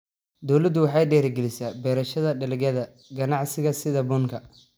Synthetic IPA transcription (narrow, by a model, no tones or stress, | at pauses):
d̪ɔwlɐd̪ʊwɑħɑjɖɛːɾɐɡɛlɪsaːbɛːɾɐʃɐðɐɖɐlɪɣɐðɐ | ɡɐnɑʕsɪɣɐsɪðɐbɔŋkʰɐ